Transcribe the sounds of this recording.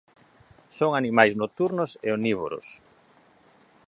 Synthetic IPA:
soŋanimajznot̪uɾnosḛoniβo̰ɾʊ̰s

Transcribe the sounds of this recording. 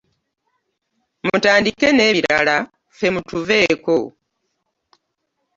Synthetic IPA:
mutaːndikene̞ːβiɾala | fe̞mutuve̞ːko

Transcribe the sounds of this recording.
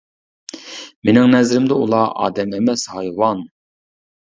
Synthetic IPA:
menɪŋnɛzɾɪmd̪ɛṵlˠɑʔɑ̰ːd̪ɛmemɛshɑjwɑn

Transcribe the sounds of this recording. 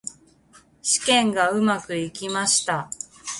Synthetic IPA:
ɕi̥kẽ̞ŋɡaɯ̟makɯ̟ikʲimaɕi̥t̪a

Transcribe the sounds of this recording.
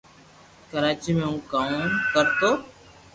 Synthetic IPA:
kəɾaːt͡ʃiːmẽːũːkaːũnkəɾt̪oː

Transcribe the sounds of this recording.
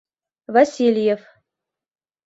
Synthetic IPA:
vɐsʲilʲjef

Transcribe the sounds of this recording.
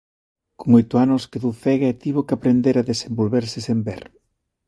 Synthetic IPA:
koŋojt̪ʊanʊskeðuθɛɣaɛt̪iβokapɾend̪eɾaðesembolβeɾsɪsembɛ̰ɾ

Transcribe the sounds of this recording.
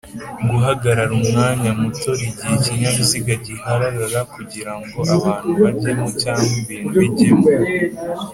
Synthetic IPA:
ɡuɦaɡaɾaɾumŋaːɲamuto̞ɾiɟieciɲaβuziɡaɟihaɾaɾaɾakuɟiɾaŋɡo̞ʔaβːn̥uaɟemucaːmbiniɟi

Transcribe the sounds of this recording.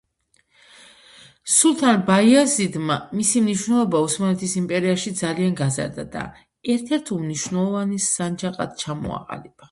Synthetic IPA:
sulˠt̪ʰanbaiazid̪mamisimniʃwnɛlˠɔbausmanɛt̪ʰisimpʼɛɾiaʃid̪zalianɡaza̰ɾd̪a̰d̪a̰ | ɛɾt̪ʰɛɾt̪ʰumniʃwnɛlˠɔvanisand͡ʒaqʼa̰d̪̥t͡ʃʰamɔ̰a̰qʼa̰lib̥a

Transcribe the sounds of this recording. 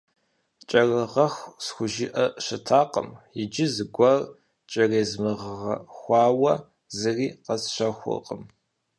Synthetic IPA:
t͡ʃʼɐrɐʁɐxʷsxʷʊʒɪʔɐɕɐtʰaːqʼə̰mjɪd͡ʒɪzɨɡʷɐr | t͡ʃʼɐreːzmɨʁʁɐxʷɑːwɐ | zɨriːqɐsɕɐxʷɔ̰qʼəm

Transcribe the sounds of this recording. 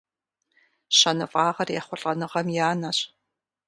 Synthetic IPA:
ɕɐnɨfʼɑːʁɐrjɛχʷʊɬʼɐnɨʁɐmjaːnɐɕ

